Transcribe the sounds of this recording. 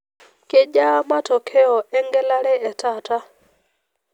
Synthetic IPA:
ke˦d͡ʒa˦ma˦tɔ˨kʰɛ˦ɔ˨ɛ˦ŋɡɛ˦la˦ɾɛ˦ɛ˨ta˦˨ta˦

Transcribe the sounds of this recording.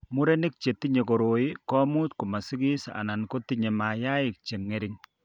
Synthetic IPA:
mu˦ɾɛ˦nɪ˦k̚t͡ʃe˨ti˦ɲe˨ko˨ɾo˨ɪ˦kɔ˦mu˦tku˨ma˨sɪ˦ki˦sa̰˨na˨nko˦tɪ˨ɲe˨ma˨ja˦ɪ˨k̚t͡ʃe˨ŋːe˦ɾɪ˦ŋ

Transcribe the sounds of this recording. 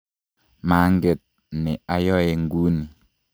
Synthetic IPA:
maː˨˦ŋ˦ɡe˨t̚ | ne˨a˨jɔ˦e˨ŋ̩˦ɡu˦ni˨

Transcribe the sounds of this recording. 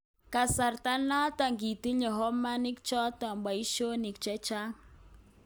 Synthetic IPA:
ka˨sa˨rta˦na˦ta˨ŋɡi˨ti˦ɲɔ˨ɦɔ˦ma˦ni˦k̚t͡ʃɔ˦ta˨mba˨i˦ʃo˦ni˨k̚t͡ʃɛ˦t͡ʃa˦ŋ

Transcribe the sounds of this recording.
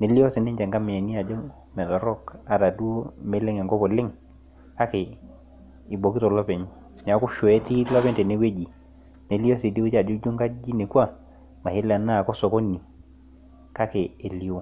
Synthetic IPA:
ne˨li˦ɔ˦si˨ne˦ɲd͡ʒɛ˨ŋɡa˦mɛ˨a˨ni˦a˨d͡ʒɔ˦ | mɛ˨tɔ˨ɾɔ˦˨ka˨ta˨du˦o˦me˦le˦ŋɛ˨ŋɡɔ˦pɔ˨le˦ŋ | ka˦ke˨ | i˨bo˨ki˦tɔ˨lɔ˦pe˨ɲ˦ | nɛ˨a˨˦ku˦ʃo˨e˦ti˦lɔ˦pɛ˦ntɛ˨ne˦we˦d͡ʒi˨ | ne˨li˦ɔ˦si˨di˦u˦d͡ʒa˨d͡ʒo˦d͡ʒu˦ŋɡa˦d͡ʒi˦ne˨kwa˦˨ | ma˨he˦la˨na˦˨kɔ˦sɔ˨ko˦ni˨ | ka˦keː˨li˨o˦

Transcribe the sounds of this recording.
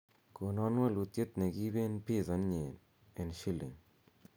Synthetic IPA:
ko˨nɔ˦nwa˦˨lu˨t̪je˦t̪ne˨ɡi˦be˦npi˦˨zɐ˦nɲe˨n | e˨nʃi˦lḛ˨ŋ

